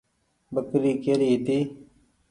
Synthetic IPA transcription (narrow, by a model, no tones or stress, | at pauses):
bəkɾiːkeːɾiːt̪iː